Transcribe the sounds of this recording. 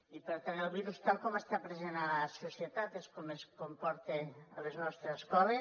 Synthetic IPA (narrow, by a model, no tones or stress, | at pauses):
ipeɾt̪anelˠβiɾust̪alˠkɔməst̪apɾezenalasusiet̪at̪eskomeskompɔɾt̪eleznɔst̪ɾeskɔre